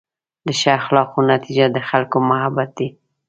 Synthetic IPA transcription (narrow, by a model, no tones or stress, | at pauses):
d̪əʃaxlɑxonat̪id͡ʒad̪əxalkomahabat̪̚d̪i